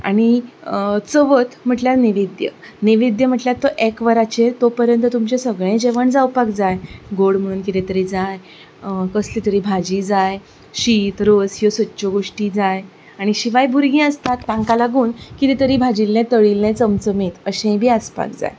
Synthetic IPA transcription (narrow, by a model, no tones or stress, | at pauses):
a̰ɽ̃i | t͡səʋət̪m̤əʈljaniʋid̪jə̰niʋid̪jəm̤əʈljat̪ːoʔekʋəɾat͡ɕet̪opəɾjənt̪ət̪umt͡ɕesəɡɭẽd͡ʑeʋəɳd͡zawpakd͡zajɡoɽm̤əɽuːnkit̪et̪əɾid͡zaj | kəslit̪əɾiːbʱad͡ʑiːd͡zaj | ɕit̪ɾosjosətːɕoɡoʂʈid͡zaj | aɽ̃iɕiʋajbʱuɾɡĩːəst̪at̪ːãŋkalaɡuːnkit̪et̪əɾiːbʱad͡ʑilːẽt̪əɭilẽt͡səmt͡səmiːt̪əɕẽbʱiːaspa̰k̚d͡za̰j